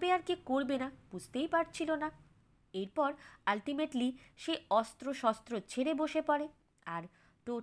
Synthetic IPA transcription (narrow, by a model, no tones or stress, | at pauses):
beaɾkikoɾbenapud͡ʑʱt̪ejpaɾt͡ɕʰilona | eɾpɔɾalʈimeʈliʃeɔst̪ɾoʃɔst̪ɾot͡ɕʰeɾeboʃepɔɾe | aɾ | ʈo